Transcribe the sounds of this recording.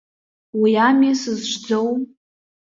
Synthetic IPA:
wiamjasɨzʒʷd͡zow

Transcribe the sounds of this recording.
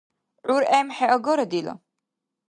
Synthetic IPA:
ʕuɾɛmħɛʔɔɡɔɾɔd̪ilɔ̰

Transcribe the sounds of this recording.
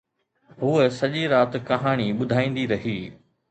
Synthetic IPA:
ɦuːəsɐʄiɾaːt̪kɐɦaːɽ̃iɓʊd̪ʱaːĩːn̆d̪iɾɐɦiː

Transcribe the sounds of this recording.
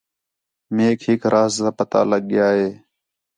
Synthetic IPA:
meːkɦɪkɾʔaːzt̪aːpət̪a̰ːləɠjaːɦeː

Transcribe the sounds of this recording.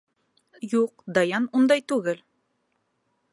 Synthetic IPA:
juq̚d̪ɑjɑnund̪ɑjt̪ʉɡɘl

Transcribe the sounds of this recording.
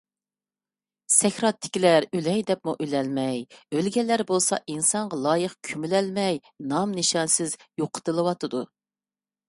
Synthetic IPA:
sɛxʲɾɑt̪ʰːɪ̥kʲilæɾylɛjd̪ɛp̚muʔylɛlmɛjølɡʲɛlːæɾbolˠsɑ̰ʔinsɑɴʁɑlˠɑjəχkʲʰymylɛlmɛj | nɑmnɨʃɑnsɪzjoqʰə̥t̪ɨlˠɨwɑt̪ɨd̪u

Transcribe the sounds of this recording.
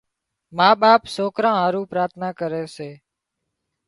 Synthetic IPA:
maːɓaːpsoːkɾãːɦaːɾũːpɾaːt̪ʰnaːkəɾeːseː

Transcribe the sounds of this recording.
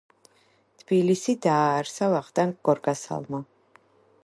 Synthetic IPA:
t̪ʰbilisid̪aːɾsavaχt̪ʼaŋk̚ɡ̥ɔɾɡasa̰lˠma

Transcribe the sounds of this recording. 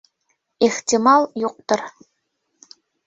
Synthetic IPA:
eχt̪ʲimɑlˠjuq̚t̪ɤ̆r

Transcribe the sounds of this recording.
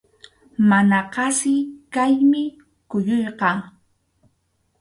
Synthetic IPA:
manaqɑsɪkajmɪ | kʊjojqɑː

